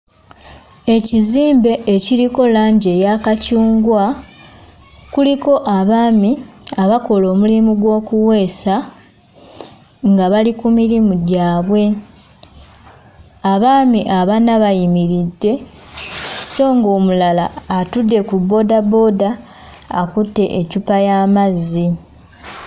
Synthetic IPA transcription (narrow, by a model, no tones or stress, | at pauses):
e̞ciziːmbe̞ʔːciɾiko̞laːɲɟe̞jakacuːŋɡwa | kuliko̞ʔaβaːmiaβako̞lo̞ːmulimuɡwo̞ːkuwe̞ːsa | ŋɡaβalikumiɾimuɟaːβwe̞ | aβaːmiʔaβanaβajimiɾidːe̞ | so̞ːŋɡo̞ːmulala̰ːtudːe̞kubo̞dabo̞daː | kutːe̞ʔecupajaːmazːi